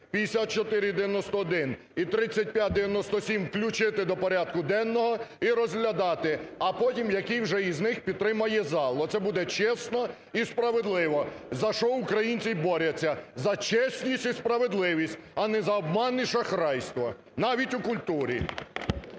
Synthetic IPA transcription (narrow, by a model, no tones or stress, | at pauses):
pʲid̪esʲat̪̚t͡ʃɔt̪ɪɾʲɪd̪eɪʋʲjɐnɔst̪ɔːd̪ɪn | it̪ɾɪt͡sʲːɐt̚ʲpʲjat̚ʲd̪eʋʲjɐnɔst̪ɔsʲimwklʲʊt͡ʃɪt̪ɪd̪ɔpɔɾʲad̪̥̚kʊd̪ɛnːɔɦɔiɾɔzʲɦlʲɐd̪ɑt̪ɪɐpɔtʲimjɐkijwʒɛiznɪxpʲid̪t̪ɾɪmɐjɛzɑlˠɔt̪sɛbud̪ɛt͡ʃɛsnɔ | ispɾɐʋed̪lˠɪʋɔzɐʃɔukɾɐjinʲt͡sʲijbɔɾʲɐt͡sʲːɐzɐt͡ʃɛsʲnʲisʲtʲispɾɐʋed̪lˠɪʋʲisʲtʲɐnɛzɐɔb̚mɑnːiʃɐxɾɑjst̪ʋɔ | nɑʋʲitʲukʊlʲt̪uɾʲḭ